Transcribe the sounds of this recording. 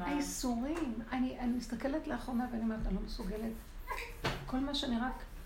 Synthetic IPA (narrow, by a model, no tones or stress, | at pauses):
aisuʁimaniʔanimistake̞letleaχonaveanimaʁnalo̞mesuɡe̞le̞t | ko̞lmaʃeaniʁak